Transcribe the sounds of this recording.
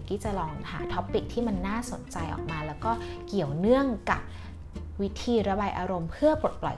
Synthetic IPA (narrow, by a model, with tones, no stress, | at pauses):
ki˦˥t͡ɕa˨˩lɔː˧ŋha̰ː˩˦t̪ʰɔ˦˥pːi˨˩k̚t̪ʰiː˥˩ma˧nːaː˥˩so˨˩˦nt͡ɕa˧jʔɔ̰˨˩k̚maː˧lɛː˦˥wkɔː˥˩ki˨˩əwnɯ˥˩əŋka˨˩p̚ | wi˦˥t̪ʰiː˧ɾa˧baː˧jʔaː˧ɾo˧mpʰɯ˥˩ɐpo˨˩t̪̚plɔ̰˨˩j